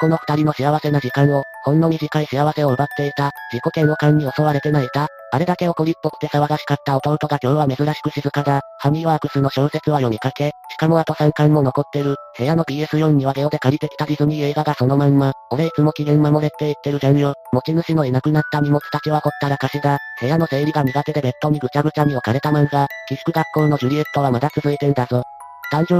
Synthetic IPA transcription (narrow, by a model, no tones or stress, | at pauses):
ko̞no̞ɸɯ̟̥t̪aɾʲino̞ɕiaβase̞naʑikãɰ̃o̞ | hõ̞nːoɲ̟iʑikaiɕiaβase̞o̞ɯ̟bat̪ːe̞it̪ad͡ʑikːo̞kẽ̞ɰo̞kãɲ̟ːio̞so̞βaɾe̞t̪e̞nait̪aː | ɾe̞d̪ake̞o̞ko̞ɾʲipːo̞̥t̪ːe̞saβaɡaɕi̥kat̪ːao̞t̪o̞ːt̪o̞ɡakʲo̞ːβ̞ame̞zɨɾaɕi̥kɯ̟ɕizɨkaɡ̪ahamʲiaːkɯ̟sɨno̞ɕo̞ːse̞t͡sɨβajo̞mʲikake̞ɕi̥kamo̞at̪o̞sãŋkãmːo̞no̞ko̞t̪ːe̞ɾɯ̟he̞jano̞bʲiːesɨjõ̞̟ɲ̟iβaɡeo̞d̪e̞kaɾʲit̪e̞kʲi̥t̪adʲizɨm̟ie̞ːɡaɡaso̞no̞mãmːao̞ɾeit͡sɨmo̞kʲiɡẽmːamo̞ɾe̞t̪ːe̞it̪ːe̞ɾɯ̟d̪ẽɰjomo̞t͡ɕinɯ̟ɕino̞inakɯ̟nat̪ːam̟ʲimo̞t͡sɨ̥t̪at͡ɕiβako̞t̪ːaɾakaɕid̪ahe̞jano̞se̞ːɾʲiɡamʲiɡat̪e̞d̪e̞be̞t̪ːo̞ɲ̟iɡɯ̟t͡ɕaɡɯ̟t͡ɕam̟io̞kaɾe̞t̪amãŋɡakʲisɯ̥kɯ̟ɡakːõ̞no̞ʑɯ̟ɾʲiet̪ːo̞βamad̪at͡sɨzɨit̪e̞ɾɯ̟d̪aso | t̪ãn̟d͡ʑo